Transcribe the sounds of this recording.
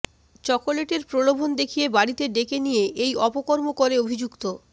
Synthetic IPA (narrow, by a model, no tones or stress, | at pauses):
t͡ɕɔkoleʈeɾpɾolobʱond̪ekʰijebaɽit̪eɖekenijeʔejɔpokoɾmokoɾeobʱid͡ʑukt̪o